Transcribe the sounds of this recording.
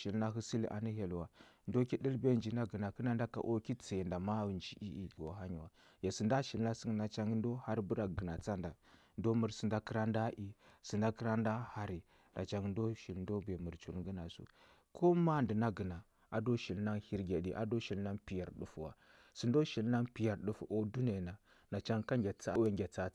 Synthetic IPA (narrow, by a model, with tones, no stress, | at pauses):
ʃi˨lna˦ɦu˦si˦lʔa̰˨ni˦ɦe˨lwa˨ndo˦ki˦di˦lbe˦nd͡ʒi˨na˦ɡə˨na˨kə˦na˦n˦da˦ka̰˨ʔo˦ki˦t͡se˨nda˨ma˦wnd͡ʒi˦ʔi˦i˨ɡo˨ɦa˦ɲi˨wa˨ | ja˨si˨nda˦ʃi˨lna˦si˦na˦t͡ʃa˦ŋɡn˦do˦ha˦ɾbu˦ɾa˨ɡə˨na˨t͡sa˦nda˨ | ndo˦mu˨ɾsi˨nda˦kə˦ɾa˦nda˦ʔi˦si˨nda˦kə˦ɾa˦nda˦ha˦ɾi˨ | da̰˨t͡ʃa˦ŋ˦ndo˦ʃi˨lndo˦be˨mu˨ɾt͡ʃṵ˨lŋɡə˦na˨sṵ˦ | kʰo˦ma˦ndi˨na˦ɡə˨na˨ | a˨do˦ʃi˨lna˦ŋhi˦ɾɡʲe˨ɗi˨ʔa̰˨do˦ʃi˨lna˦ŋpi˨ja˨ɾɗu˦fwa̰˨ | si˨ndo˦ʃi˨lna˦ŋpi˨ja˨ɾɗu˦fu˨ʔo˦du˦na˨na˨ | na˨t͡ʃa˦ŋka˦ŋɡʲa˨t͡sa˦we˦ŋɡʲa˨t͡sa˦